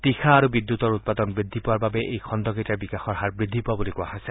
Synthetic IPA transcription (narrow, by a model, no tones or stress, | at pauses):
t̪ixʰaːɾubid̪jut̪ɔɾut̪̚pad̪ɔnbɹid̪ʱːipɔaɾbabeʔejkʰɔnd̪ɔɡitaɾbikaxɔɾɦaɾbɹid̪ʱːipɔabulikuaɦɔse